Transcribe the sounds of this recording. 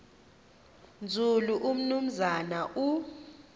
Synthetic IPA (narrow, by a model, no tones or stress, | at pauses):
nd͡zʱuluʔum̩num̩zanaʔu